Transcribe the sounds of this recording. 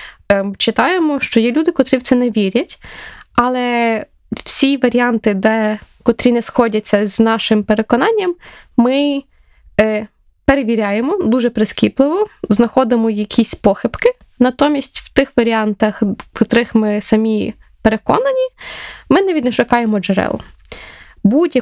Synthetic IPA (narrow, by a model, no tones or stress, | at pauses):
t͡ʃɪt̪ɑjemɔʃt͡ʃɔjɛlʲud̪ɪkɔt̪ɾiwt̪sɛnɛʋʲiɾʲɐtʲɐlˠɛ | w̥sʲiʋɐɾʲiɑnt̪ɪd̪ɛkɔt̪ɾʲinɛsxɔdʲɐt͡sʲːɐzʲnɑʃɪmpeɾekɔnɑnʲːɐmː | ɪ | peɾeʋʲiɾʲajemɔd̪uʒɛpɾeskʲiplˠɪʋɔznɐxɔd̪ɪmɔjɐkʲisʲpɔxɪpkɪ | nɐt̪ɔmʲisʲtʲwt̪ɪxʋɐɾʲiɑnt̪ɐxkɔt̪ɾɪxmɪsɐmʲi | peɾekɔ̰nɐnʲimɪnɛʋʲid̪nɛʃʊkɑjemɔd͡ʒɛɾɛ̰lˠʊ̰ | budʲjɐ